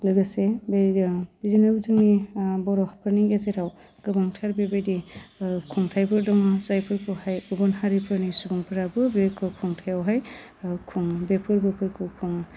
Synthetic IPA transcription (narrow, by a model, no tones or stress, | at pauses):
lɯɡɯsebbizinɯbzɯŋnibɔɾɔhapʰɯɾniɡezeɾaw | ɡ̥ɯbɔŋtʰaɾbebedikʰuŋtʰajbʰɯɾdɔŋɯsajpʰɯɾkʰɔhajubɔnhaɾipʰɯɾnisubuŋpʰɯɾabɯbekʰɯkʰuŋtʰajawɦaj | kʰuŋbepʰɯɾbɯpʰɯɾkʰɯkʰuŋ